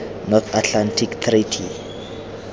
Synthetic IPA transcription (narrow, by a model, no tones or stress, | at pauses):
nɔt̪atʰlantʰikt̪ʰritʰi